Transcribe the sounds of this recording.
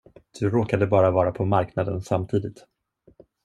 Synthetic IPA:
d̪̥ɵɾoːkad̪əbɑːɾavɑːɾapʰɔmaɾknad̪ənsamt̪ʰiːd̪ɪt̪

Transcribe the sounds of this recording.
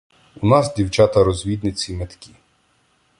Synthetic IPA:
unɑzdʲiwt͡ʃɑt̪ɐɾɔzʲʋʲid̪nɪt͡sʲimet̪kʲi

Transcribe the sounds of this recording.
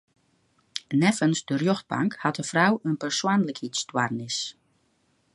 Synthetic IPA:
nɛfənsdərjoxt̚ba̰ŋkhɑtəfrawənpərswanləkʰitstwarnɪs

